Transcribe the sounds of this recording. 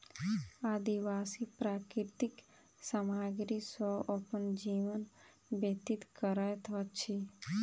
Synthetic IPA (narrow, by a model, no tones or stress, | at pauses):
aːd̪iʋaːsipɾaːkɾɪɾt̪ik | samaːɡɾisəəpənd͡ʒiːʋən | bət̪it̪kəɾət̪ʰʋət͡ʃʰi